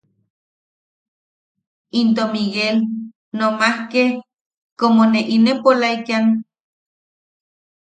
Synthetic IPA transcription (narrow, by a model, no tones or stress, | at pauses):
int̪̬omiɣel | nomahke | komoneʔinepolajkan